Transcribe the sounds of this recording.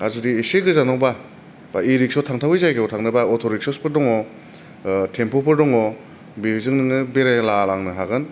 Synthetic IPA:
azudiːseɡɯzanɔwba | baiɾik̚sɔtʰaŋtʰawijzajɡeɔtʰaŋnɯbaɔtʰɔɾiksɔspʰɯɾdɔŋɔ | tʰempʰɔpʰɯɾdɔŋɔ | bizɯŋnɯŋɯbeɾelalaŋnɯɦaɡɯn

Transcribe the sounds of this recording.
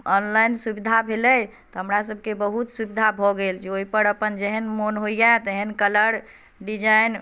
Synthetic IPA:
ɔnlajnsubid̪ʱabʱelɛj | t̪ɔɦəmɾasəb̚ʱkebəɦut̪subid̪ʱabʱɔɡeld͡ʒeoipəɾəpənd͡ʒeɦənmonɦoijaet̪əɦənkələɾ | ɖid͡ʒain

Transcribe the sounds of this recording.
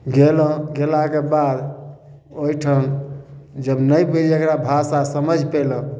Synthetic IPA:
ɡelə̃ɡelakebad̪ | oiʈʰən | d͡ʒəbnəjbiləkɾabʱasasəməd͡ʒʱpelə̃

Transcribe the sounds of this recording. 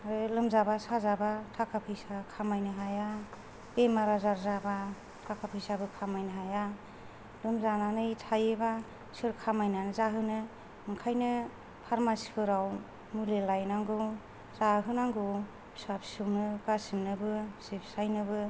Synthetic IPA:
aɾɯlɯmzabasazabatʰakʰapʰɯjsakʰamajnɯɦaja | b̥emaɾazaɾzaba | tʰakʰapʰɯjsabɯkʰamajnɯɦaja | lɯmzananɯjtʰajeba | sɯɾkʰamajnanzaɦɯnɯ | ɯŋkʰajnɯ | pʰaɾmasi̥pʰɯɾaw | mulelajnaŋɡɯw | zaɦɯnaŋɡɯw | sapsɯwnɯɡasɯmnɯbɯsipsajnɯbɯ

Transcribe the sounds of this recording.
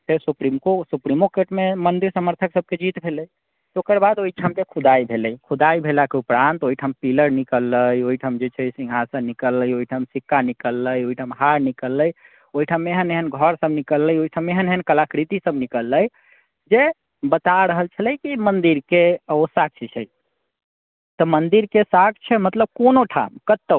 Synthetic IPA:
sesupɾimkosupɾimokeʈmemənd̪iɾsəməɾt̪ʰəksəb̚ked͡ʒit̪bʱeləj | t̪okəɾbad̪oiʈʰamd͡ʒekʰud̪ajbʱeləjkʰud̪aijbʱelakeupɾant̪oiʈʰɦəmpiləɾnikəlːəjoiʈʰəmd͡ʒet͡ʃʰɛsĩŋɡʱɦasə̃nikəlːəjoiʈʰəmsikːanikəlːəjoɦiʈʰɦəmɦaɾnikəlːəj | oiʈʰamːeeɦəneɦənɡʱɔɾsəbnikəlːəjoiʈʰamːeɦəneɦənkəlakɾit̪isəbnikəlːəj | d͡ʒe | bət̪aɾəɦəlt͡ʃʰələjkimənd̪iɾkeosak̚t͡ʃʰit͡ʃʰɛj | t̪əmənd̪iɾkesakʰt͡ʃʰɛmət̪ləb̚konoʈʰa̰mkət̪ːə

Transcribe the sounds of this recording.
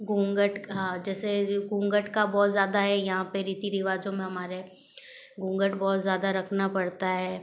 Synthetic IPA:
ɡũːŋɡəʈɦãːd͡ʒɛːseɡũːŋɡəʈkabɔːt̪zjaːd̪aɦɛjɐɦãpeɾiːt̪iɾɪʋaːd͡ʒõmẽɦɐmaːɾe | ɡũːŋɡəʈbɔːt̪zjaːd̪aɾɐkʰnapɐɽt̪aɦɛː

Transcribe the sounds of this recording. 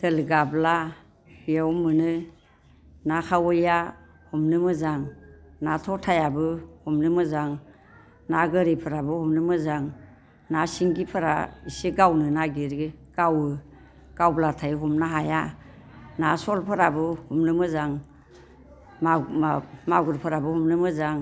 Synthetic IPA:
d̥elɡabla | jaɔmːɯnɯ | nakʰawɔja | humnɯmɯzaŋnatʰɔtʰajabɯhumnɯmɯzaŋ | naɡɯɾipʰɯɾabɯhumnɯmɯzaŋ | nasiŋɡipʰɯɾa̰isiɡawnɯnaɡiɾɡɡ̥awɯ | ɡ̥awblatʰajɦɔmnaɦaja | nasɔlpʰɯɾabɯhumnɯmɯzaŋ | maɡuɾpʰɯɾabɯhumnɯmɯzaŋ

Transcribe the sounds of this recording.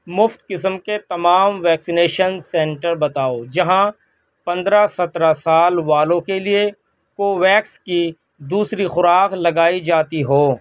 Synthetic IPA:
mʊft̪kɪsəmket̪ɐmaːmʋɛːksɪneːʃənsɛ̃ɳʈəɾbɐt̪aːod͡ʒɐɦã | pɐ̃nd̪ɾasɐt̪ɾasaːlʋaːlõkelie | koːʋɛːkski | d̪uːsɾixʊɾaːqlɐɡaːid͡ʒaːt̪iɦoː

